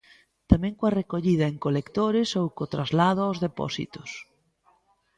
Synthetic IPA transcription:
t̪amɛ̃ŋkoarekoʎið̞ɐeŋkolekt̪oɾɪsowkot̪ɾazlaðʊawzðepɔ̰sḭt̪ʊs

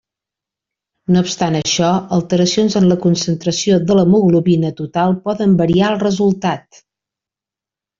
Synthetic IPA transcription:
noupst̪anəʃɔəlˠt̪əɾəsionzənləkunsənt̪ɾəsioðələmuɣluβinət̪ut̪alˠpɔðəmbəɾiaəlˠrəzulˠt̪at̪̚

